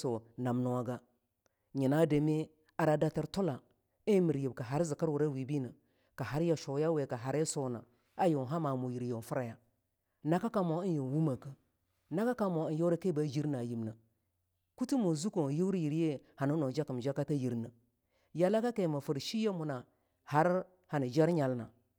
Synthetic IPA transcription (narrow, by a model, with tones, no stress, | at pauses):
so˨na˨mnu˨a˨ɡa˦ | ɲi˨na˦de˨me˦ | a˨ɾa˨da˦tə˦ɾto˦la˨ | i˦mi˨ɾji˨bka˨ɦa˨ɾzi˨ka˦ɾwu˨ɾa˦wi˨bi˦nə˨ | ka˨ha˨ɾja˨ʃo˨˦ja˦we˨ka˨ɦa˨ɾe˦so˦na̰˨ | a˦jo˨n˨ɦa˦ma˨mu˨ji˨ɾjo˨n˨fu˦ɾa˨ja˨ | na˦ka˦ka˦mo˨i˦njo˨n˨wu˦ma˨kə˦ | na˦ka˦ka˦mo˨jo˦ɾa˦ke˦ba˨˦d͡ʒi˦ɾna˨ji˨mnə˨ | ku˦ti˦mu˨zu˦ko˨ji˦wɾji˨ɾje˦ha˨nu˦no˨d͡ʒa˦kə˨m˨d͡ʒa˦ka˦ta˦ji˨ɾnə˨ | ja˦la˦ka˦ke˨ma˨fu˨ɾʃi˦je˦mu˨na˨ | ha˦ɾ | ha˨ni˨d͡ʒa˦ɾɲa˨lna˨